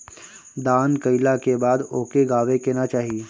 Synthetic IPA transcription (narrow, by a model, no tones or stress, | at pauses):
d̪aːnkəɪlakebaːd̪oːkeɡaːʋekenat͡ʃaːɦie